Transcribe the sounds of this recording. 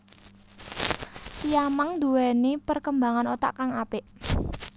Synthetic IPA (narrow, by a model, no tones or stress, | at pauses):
sijamaŋd̪uwɛnipərkəmbaŋanot̪a̰ʔkaŋapɪʔ